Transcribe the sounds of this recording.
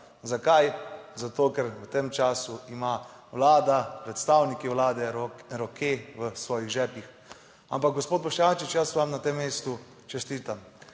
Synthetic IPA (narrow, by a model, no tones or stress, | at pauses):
zakajzat̪oːkɛɾət̪emt͡ʃaːsuima | wlaːd̪apɾɛt̪st̪awnikiʋlaːd̪ɛɾɔkeʋəsʋɔːjiɣʒɛːpix | ampak̚ɡɔspoːt̪bɔʃat͡ʃit͡ʃjasʋamnat̪emːeːst̪u | t͡ʃɛst̪iːt̪am